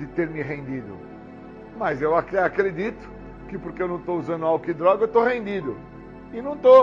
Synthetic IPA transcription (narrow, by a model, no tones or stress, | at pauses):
d̪ɪt̪eɾmɪɦẽnd̪id̪ʊ̰ | mɐzewakeakɾed̪it̪ʊ̥ | kɪpoɾkeewnɐ̃w̃t̪ouzɐ̃nd̪ʊawɡʊkɪd̪ɾɔɡɐewt̪oɦẽnd̪id̪ʊ | ɪnɐ̃w̃t̪o